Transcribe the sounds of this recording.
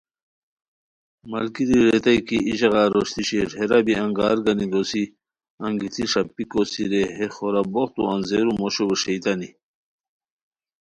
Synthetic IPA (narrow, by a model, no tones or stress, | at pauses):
mɐlkiɾiɾet̪ɐjkiiʑɐɣɑːɾoɕt̪iɕeɾheɾɐbiɐŋɡɑːɾɡɐnid̪osi | ɐŋɡit̪ʰiʂɐpːikosiɾeɦexoɾɐboχt̪uɐnzeɾumoɕobeʂejt̪ɐni